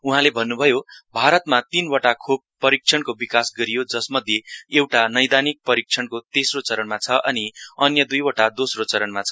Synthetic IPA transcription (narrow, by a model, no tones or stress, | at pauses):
uɦãlebʱʌnːubʱʌjobʱaɾʌt̪mat̪inwʌʈakʰob̚pːʌɾik̚t͡ʃʰʌnkobikasɡʌɾijod͡zʌsmʌd̪ʱjeewʈanʌjd̪anik̚pʌɾik̚t͡sʰʌnkot̪esrot͡sʌɾʌnmat͡sʰʌʔʌniʌnjʌd̪ujwʌʈad̪osrot͡sʌɾʌnmat͡sʰʌ̥